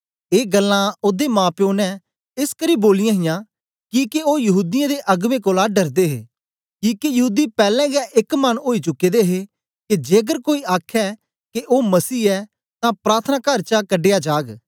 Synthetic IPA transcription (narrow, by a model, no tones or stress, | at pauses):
eːɡəlːãod̪emãːpjoːnɛ | ɪskəɾiboːlɪjãːɦɪjãː | kiːkeoːjɐɦuːd̪ɪjãd̪eʔɐɡʋẽːkoːlaɖəɾd̪eːɦḛː | kiːkijɐɦuːd̪ipɛːlɛ̃ːɡɛʔɪkmɐnoːit͡ʃʊkːed̪eɦe | ked͡ʒeːəɡ̬əɾkoːiaːkʰɛ | keʔoːmɐsiːɛː | t̪ãpɾaːɾt̪ʰənaːkəɾt͡ʃakəɖeːjad͡ʒaːɡ